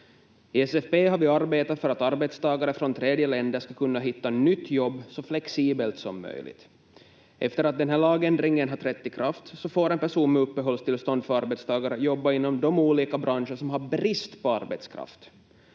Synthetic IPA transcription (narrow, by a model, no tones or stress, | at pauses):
ɪɛsɛfbeːɦaɾvɪaɾbeːt̪at̪fœɾat̪aɾbɛt̪st̪ʰɑːɡaɾəfɾɔnt̪ʰɾeːd̪jəlɛnd̪əʂkakʰɵnːaɦɪt̪ːanʏt̪ːjɔbːsɔflɛksiːbəlt̪sɔ̰mːœ̰jlɪ̰ɡt̪ | ʔɛ̰ft̪əɾat̪̚d̪ɛnɦæːɭɑːɡɛnd̪ɾɪŋːənɦaʈ̪ʰɾɛt̪ːɪkʰɾaft̪sɔfoːɾɛnpæʂuːnmɛɵpːəɦɔlst̪ɪlst̪ɔnd̪fœɾaɾbɛt̪st̪ʰɑːɡaɾəjɔbːaɪnːɔmd̪ɔmuːliːkabɾanʂəʂɔmɦaɾbɾɪst̪pʰɔa̰ɾbɛ̰t̪skʰɾa̰ft̪